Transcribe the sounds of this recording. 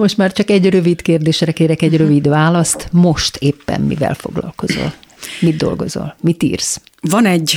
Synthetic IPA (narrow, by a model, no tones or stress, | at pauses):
mo̞ʃt̪maːrt͡ʃɒkɛɟrø̞vit̪keːrd̪eːʃrɛkeːɾɛkɛɟrø̞vid̪ʋaːlɒst̪moʃt̪ʰeːpːɛ̰mmḭvɛ̰lfo̞̰ɡlɒ̰lko̞zo̰lmid̪̚d̪o̞̰lɡo̞̰zo̰lmit̪ḭːrs | vɒnɛɟ